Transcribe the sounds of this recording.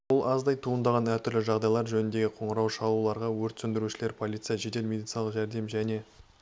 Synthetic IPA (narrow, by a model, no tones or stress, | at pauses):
wolˠʔɑzd̪ɑjt̪ʰuənd̪ɑʁɑnæɾt̪ʰʏɾlɪʒɑʁd̪ɑjlˠɑɾʒɵnɪnd̪e̞ɡʲɪqʰo̞ɴəɾɑwʃɑlˠulˠɑɾʁɑwɵɾt̪sʏnd̪ɪɾuʃɪle̞ɾpʰo̞lʲˠijt̪sɨjaɑʒe̞t̪e̞lmʲe̞d̪ijt̪sɨnɑlˠəqʒæɾd̪e̞mʒæne̞